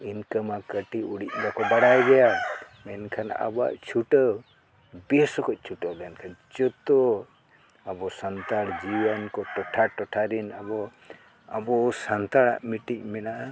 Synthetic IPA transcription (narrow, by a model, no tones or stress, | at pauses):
inkəmakəʈiuɽic̚ɡakɔbaɽajɡɛja | ɛnkʰana̰ba̰ʔt͡ʃʰuʈəw | besɔkʰɔc̚ˀt͡ʃʰuʈəlɛnkʰant͡ʃɔt̪ɔ | abɔsant̪aɽd͡ʒijənkɔʈɔʈʰaʈɔʈʰaɾinabɔ | abɔsant̪aɽa̰ʔmiʈic̚mɛnaʔ